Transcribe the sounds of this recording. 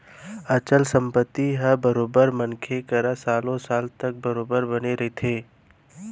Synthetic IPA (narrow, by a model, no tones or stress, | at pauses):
ɐt͡ʃəlsə̃mpət̪ːiɦəbəɾoːbəɾmənkʰekɐɾasaːlõsaːlt̪ɐk̚bɐɾoːbəɾbɐneɾɐɦet̪ʰeː